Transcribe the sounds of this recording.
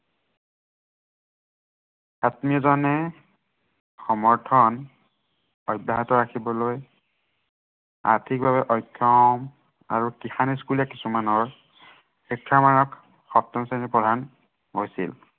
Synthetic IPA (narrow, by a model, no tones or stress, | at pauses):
atmiɔzɔnɛ | xɔmɔɹtʰɔn | ɔjbːaɦatɔɹakʰibɔloj | a̰ɹtʰik̚bʱaβɛʔɔjkʰːɔm | a̰ɹukixaniskulijakisumanɔɹ | xitʰːaɹmaɹɔk | xɔp̚tɔmsanipɔdʱan | ɦojsḭl